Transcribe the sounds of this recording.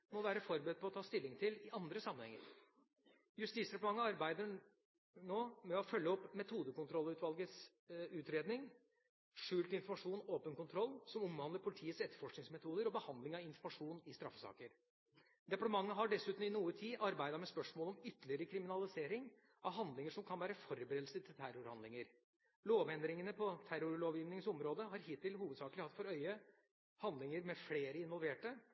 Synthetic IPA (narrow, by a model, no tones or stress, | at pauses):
mɔʋæːɾəfɔɾbəd̪̚pʰɔt̪ʰɑːst̪ɪlːɪŋt̪ʰɪlɪʔɑnd̪ɾəsɑmənhɛ̰ŋːə̰ɾ | jʉst̪iːt̪sɾɛpɑʈ̪mɑŋːəɑɾbæɪd̪ə | ɳoːmɛɔfœlːəɔpmɛt̪ʰuːd̪əkʊnt̪ʰɾɔlːʉːt̪ʋɑlɡəs | ʉːt̪ɾeːd̪nɪŋ | ʂʉːlt̪ɪnfɔɾmɑʂuːnoːpənkʊnt̪ʰɾɔlːsɔmɔmhɑnd̪əɾpʰʊlɪt̪ʰiːət̪sɛt̪ːə̥ɾfɔʂknɪŋsmɛt̪ʰuːd̪əɾɔbəhɑnd̪lɪŋɑʋɪnfɔɾmɑʂuːnɪst̪ɾɑ̰fːəsɑ̰ːkəɾ | d̪ɛpɑʈəmɑŋːəɦɑɖɛsʉːt̪n̩ɪnuːət̪ʰiːʔɑɾbæɪd̪ɑmɛspœʂmoːlɔmʏt̪ːəlɪəɾəkʰɾɪmɪnɑlɪseːɾɪŋ | ʔɑʋɦɑnd̪lɪŋəʂɔmkʰɑnʋæːɾəfɔɾbɾeːd̪lsət̪ʰɪlt̪ʰæɾʊɾhɑ̰nd̪lɪŋəɾ | loːʋɛnd̪ɾɪŋənəpʰɔt̪ʰæɾʊɾloːʋjiːʋnɪŋəsɔmɾoːd̪əɦɑɾhɪt̪ɪlhuːʋəd̪sɑːkəlɪhɑt̪ːfɔɾœʏə | hɑnd̪lɪŋəɾmɛfleːɾəɪnʋɔlˠʋeːʈə